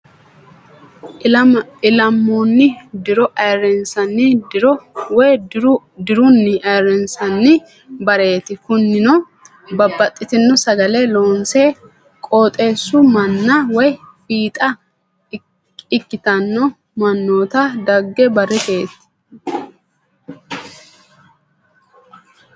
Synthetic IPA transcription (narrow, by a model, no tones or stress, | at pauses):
ɪlɐmːɔnːɪd̪ɪɾɔʔɐjɾɛnsɐnːɪɪɾɔwɔjɾʊ | d̪ɪɾʊnːɪʔɐjɾɛnsɐnːɪ | bɐɾe̞ːt̪ɪkʊnːɪnɔ | bɐbːɐt̪ʼːɪt̪ɪnːɔsɐɡɐlɛlo̞ːnse | kʼo̞ːt̪ʼe̞ːsːʊmɐnːɐwɔj | fiːt̪ʼɐ | ɪkːɪt̪ɐnːɔ | mɐnːo̞ːt̪ɐd̪ɐɡːɛbɐrːɪt̪e̞ːt̪ɪ̥